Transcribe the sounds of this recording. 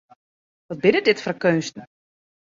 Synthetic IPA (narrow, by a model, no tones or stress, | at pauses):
ʋɔt̚bɪnədɪtfɔrkøːnstn̩